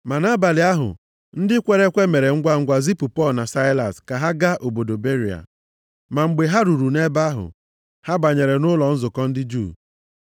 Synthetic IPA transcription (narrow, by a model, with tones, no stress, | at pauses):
ma˨na˦ba˨lɪ˨a˦ɦʊ̰˨ | n̩˦dɪ˦kʷe˦ɾe˦kʷe˦me˨ɾe˨ŋ̩˦ɡʷa˦ŋ̩˦ɡʷa˦zi˦pu˨pɔ˦lna˨sa˦ɪ˦la̰˨ska˨ɦa˦ɡa˦ʔo˨bo˨do˨be˦ɾi˨a̰˨ | ma˨ŋ͡m̩˨ɡ͡be˨ɦa˦ɾu˨ɾu˨ne˦ba˦ɦʊ̰˨ | ha˦ba˨ɲe˨ɾe˨nʊ˦lɔ˨n̩˦zʊ˨kɔ˦n̩˦dɪ˦d͡ʒṵ˦˨